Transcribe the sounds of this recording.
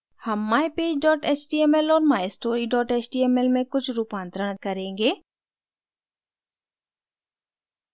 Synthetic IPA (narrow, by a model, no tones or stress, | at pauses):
hɐmːaːepeːd͡ʒɖɔːʈeːt͡ʃʈiːemɛlɔːɾmaːesʈoːɾiɖɔːʈeːt͡ʃʈiːɛːmɛlmẽkʊt͡ʃʰɾuːpãːnt̪ɾəɽ̃ət̪̚kɐɾẽːŋɡeː